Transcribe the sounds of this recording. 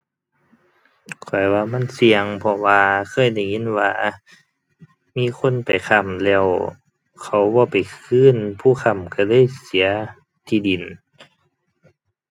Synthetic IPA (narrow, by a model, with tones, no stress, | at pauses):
kʰɔ˨˩jwaː˧ma˧˥˨nsi˧əŋpʰɔ˧waː˧kʰɤː˧˥˨jda˧˩jŋe˧˥˨nwaː˧ | miː˧˥˨kʰo˧˥˨npa˨jkʰa˧˩mlɛː˧˩˨w | kʰa˧˩wbɔː˧˦pa˨˩jkʰɯː˧˥˨npʰuː˧˥˨xʰa˧˩˨mka˧˩lɤː˧˥˨jsi˨˦ɐ | t̪ʰiː˧˨di˨˩n